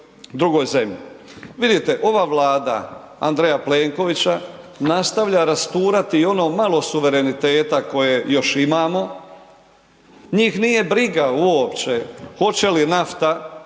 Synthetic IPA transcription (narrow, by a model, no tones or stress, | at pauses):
d̪ɾuɡo̞ːjze̞mʎḭ | ʋid̪it̪e̞ʔo̞ʋaːʋlaːd̪a̰ | a̰nd̪ɾejapleːŋko̞ʋit͡ɕa | nast̪aʋʎaɾast̪uːɾat̪io̞no̞ːmalo̞suʋe̞ɾe̞nit̪e̞ːt̪ako̞jejo̞ʃimaːmo̞ | ɲiːxnije̞bɾiɡauopt͡ɕexo̞t͡ɕe̞linaft̪a